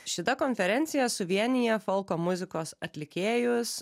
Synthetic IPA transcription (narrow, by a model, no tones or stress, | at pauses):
ʃʲɪt̪ɐkɔnʲfʲɛɾʲɛnʲt̪sʲɪjɛsʊʋʲiɛnʲɪjɛfɔlˠkoːmʊzʲɪkoːsɐt̪ʲlʲɪkʲeːjʊs